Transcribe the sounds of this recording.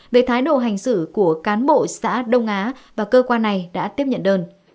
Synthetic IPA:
ve˧˩t̪ʰaː˨˦jɗo̰˧˨ɦa˨˩jŋ̟sɨ˧˩ku˧˩əkaː˨˦nɓo̰˧˨sa̰ː˧˥ɗə˧wŋ͡mʔaː˨˦vaː˨˩kəː˧kwaː˧nːa˨˩jɗa̰ː˧˥t̪i˦˥əp̚ɲə̰˧˨nɗəː˧n

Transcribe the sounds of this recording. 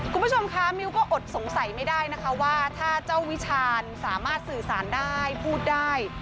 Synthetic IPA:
kʰu˧nmbu˥˩o˧mkʰa˦˥mi˧˥wkɔː˥˩ʔo˨˩t̪̚so˩˦ŋsa˩˦jma˥˩jdaː˥˩jna˦˥kʰa˦˥waː˥˩t̪ʰaː˥˩t͡ɕa˥˩wi˦˥t͡ɕʰaː˧nsaː˩˦maː˥˩t̪̚sɯː˨˩saː˩˦ndaː˥˩jpʰuː˥˩t̪̚daː˥˩j

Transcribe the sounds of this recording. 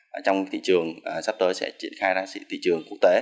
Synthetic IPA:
ʔt͡ɕɔ˧wt̪ʰḭ˧˨t͡ɕɨ˨˩əŋʔsa˦˥p̚t̪əː˨˦jsɛ̰˧˥t͡ɕi˧˩ənxaː˧jzaː˧sḭ˧˨˥t̪ʰḭ˧˨t͡ɕɨ˨˩əŋku˦˥ək̚t̪e˨˦

